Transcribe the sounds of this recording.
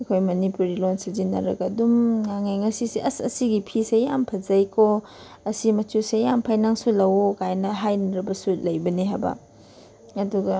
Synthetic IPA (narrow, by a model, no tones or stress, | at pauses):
ekʰojmɐnipuɾilonsɐzinɐ̰ɾɐ̰kɐdumŋaŋajŋɐsisiɐsɐ̰siɡipʰisejampʰɐzɐjkʰo | ɐsimɐtusejampʰajnaŋsulɐwokajnɐɦajnɐɾɐbɐsulɐjbɐniɦa̰bɐ̰ | ɐduɡɐ